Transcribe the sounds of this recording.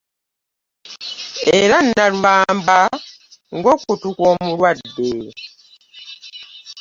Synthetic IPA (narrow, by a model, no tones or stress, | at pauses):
eɾanːalwaːmba | ŋɡokutukwoːmulwadːe